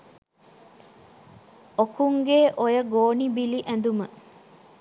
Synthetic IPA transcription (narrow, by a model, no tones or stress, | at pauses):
okuŋɡeːʔojəɡoːnibiliʔænd̪umə